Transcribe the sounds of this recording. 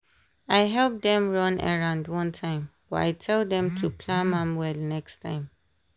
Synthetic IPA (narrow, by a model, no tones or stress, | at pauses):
aɪɦɛlp̚dɛ̃mɹɔ̃na̰ɹãʊ̃ndwɔ̃ntʰãɪ̃mb̥ɔa̰ɪtʰɛldɛ̃mtʰupʰlãmãmwɛlnɛkstʰã̰ɪ̃m